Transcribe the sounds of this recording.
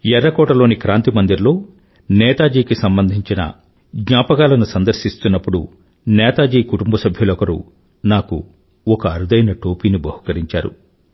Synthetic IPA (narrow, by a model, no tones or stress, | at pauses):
jɛɾːɐkɔːʈɐlo̞ːnikɾaːnt̪imɐnd̪iɾlo̞ː | nɛːt̪aːd͡ʒiːkisɐmbɐnd̪ʱiɲt͡ʃinɐ̰ | ɡɲaːpɐɡaːlɐnusɐnd̪ɐɾʃist̪unːɐpːuɽṵ | nɛːt̪aːd͡ʒiːkuʈumbɐsɐbʱjɐlɔkɐɾṵ | naːkṵ | ɔkɐːɾud̪ɐjnɐʈoːpiːnibɐhukɐɾiɲt͡ʃaːɾṵ